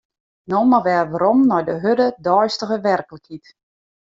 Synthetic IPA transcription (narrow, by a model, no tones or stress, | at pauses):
nɔmaʋɛːrʋaɾɔmnɔjdəɦødədɔjstəɣəʋɛrkləkhit